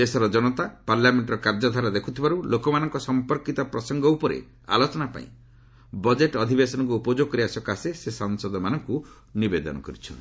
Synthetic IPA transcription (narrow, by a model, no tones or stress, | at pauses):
esɔɾɔd͡ʒɔnɔt̪apaɾlameɳʈɔɾɔkaɾd͡ʒɔd̪ʱaɾɔd̪ekʰut̪ʰibaɾulokɔmanɔŋkɔsɔmpɔɾkit̪ɔpɾɔsɔŋɡɔupɔɾḛ | a̰lot͡ʃɔnapa̰ḭ̃ | bɔd͡ʒeʈɔd̪ʱibesɔnɔŋk̬uupɔd͡ʒoɡ̚kɔɾiasɔkasesesɔŋsɔd̪ɔmanɔŋku | nibed̪ɔ̰nɔ̰kɔɾit͡ʃʰɔn